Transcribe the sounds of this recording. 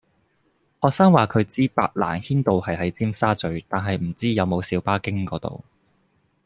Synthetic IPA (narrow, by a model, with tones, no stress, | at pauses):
hɔː˨˧k̚saː˥ŋwaː˨kʰɵ˨˧ɥt͡siː˥pa̰ː˧t̚la̰ː˨˩nhiː˥nt̪o˨whɐ˨jɦɐ˨˥jt͡siː˥msaː˥t͡sɵ˨˧ɥt̪aː˨˩nɦɐ˨jm̩˨˩t͡siː˥jɐ˨˧wmo˨˧wsiː˨˧˥wpaː˥kɪ˥ŋkɔː˨˧˥t̪o̰˨˩w